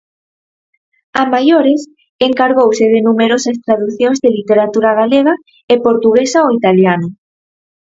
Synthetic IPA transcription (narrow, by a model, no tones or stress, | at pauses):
amajoɾɪs | eŋkaɾɣowsɪðɪnumeɾosɐst̪ɾaðuθjõŋzðelit̪eɾat̪uɾaɣ̞aleɣa | epoɾt̪uɣ̞esaoit̪aljano